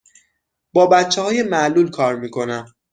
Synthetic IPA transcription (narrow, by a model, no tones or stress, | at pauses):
b̥ɒːbæt̪t͡ʃʰːehɒːjemæʔluːlkʰɒːɾmiːkʰo̞næm